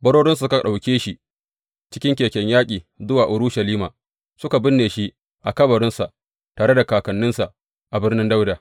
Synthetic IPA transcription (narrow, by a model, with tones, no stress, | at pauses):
bɐ˦ɾoː˦ɽɪ˦ns̬u˨˦ka˨ɗa˨wkʲeː˦ʃi˦ | t͡ʃɪ̥˦kʲɪ˦ŋkʲeː˨kʲɛ˦ɲjaː˦kʲʼiː˨zʊ˦waː˨ʔʊ˨ɾʊ˦ʃɐ˨liː˦maː˨ | sʊ˦ka˨bɪ˦nːeː˨ʃi˦ | ʔa̰˨kɐ˦bɐ˨ɾɪ˦nsa˨ʔ | taː˨ɽe˦da˨kaː˨kɐ˨nːɪ˦nsa˨ʔ | ʔa˨bɪ˦rnɪ˦nda˦wdaː˨